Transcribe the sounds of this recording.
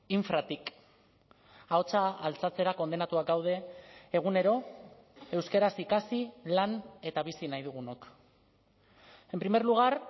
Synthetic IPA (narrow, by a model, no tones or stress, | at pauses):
iɱfɾat̪ik | ao̞t͡saːlt͡sat͡se̞ɾako̞nd̪e̞nat̪uak̚d̪awð̞e̞ːɣ̞une̞ɾo̞ | e̞wskeɾasikasilane̞t̪aβ̞isinajðuɣ̞unok | e̞mpɾime̞ɾluɣ̞aɾ